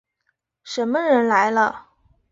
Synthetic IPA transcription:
ʂə˧˥nmə˧ɻə˧˥nla˧˥ɪlə˧

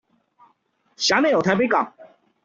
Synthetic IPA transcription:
ɕja˧˥me˥˩˨jo˨˩t̪ʰa˧˥pe˧˥ɪkɑ̰˨˩ŋ

